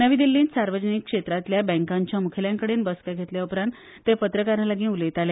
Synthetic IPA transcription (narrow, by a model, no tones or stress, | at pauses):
nəʋiːd̪ilːiːnsaɾʋəd͡ʑənikːʂet̪ɾat̪ljabɛ̃ŋkaɲt͡ɕjamukʰeljaŋkəɽeːnbəskaɡʱet̪ljaupɾãnt̪ːepət̪ɾəkaɾalaɡĩːuləjt̪ale